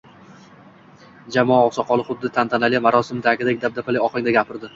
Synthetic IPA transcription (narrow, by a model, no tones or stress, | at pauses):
d͡ʒamɒaɒsɒqʰɒlˠɨχʊd̪ːɪt̪ʰant̪ʰanalɪjamaɾɒsɪmd̪aɡʲɪd̪ak̚ʲd̪ab̪̚apʰalɪɒqɪŋd̪aɡʲapʰɪɾd̪ɪ